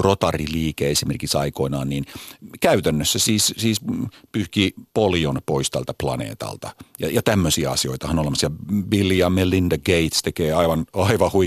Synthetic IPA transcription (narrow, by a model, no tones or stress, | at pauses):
rot̪ɑriliːkeesimerkiksɑikoinɑ̰ːnniːnkæyt̪ænːøsːæsiːssiːspyhkiːpolionpoist̪ælt̪æplɑ̰nḛːt̪ɑ̰lt̪ɑjɑ̰jɑt̪æmːøsiæɑ̰sio̰it̪ɑhɑnolemɑsjɑʋilːiɑmelindɑɡeit̪st̪ekeːɑiʋɑnɑiʋɑhui